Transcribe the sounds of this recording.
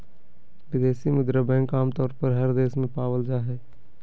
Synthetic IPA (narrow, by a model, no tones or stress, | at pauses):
ʋɪd̪eːsimʊd̪ɾəbɛ̃ːkaːmt̪ɔːɾpəɾɦəɾd̪eːsmẽpaːwəld͡ʒaːɦɛː